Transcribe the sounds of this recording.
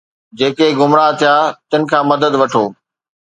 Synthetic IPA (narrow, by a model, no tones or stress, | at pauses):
d͡ʑeːkeɡʊmɾat̪ʰijaːt̪ɪnɪ̆kʰãːmɐd̪əd̪ʋɐʈʰoː